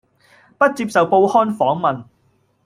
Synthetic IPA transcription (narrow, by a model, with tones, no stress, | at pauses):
pɐ˥t̚t͡siː˧p̚sɐ˨wpo˧whɔː˥nfɔː˨˥ŋmɐ˨n